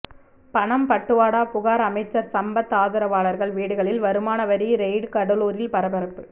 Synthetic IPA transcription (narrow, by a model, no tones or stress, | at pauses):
pɐɳɐmpɐʈːɯʋaːɽaːpʊɣaːɾɐmɐɪt͡ʃːɐɾsɐmbɐt̪ːaːðɯɾɐʋaːɭɐɾɣɐɭʋiːɽɯɣɐɭɪlʋɐɾɯmaːnɐʋɐɾiɾɛɪɖkɐɽɐluːɾɪlpɐɾɐbɐɾɐpːɯ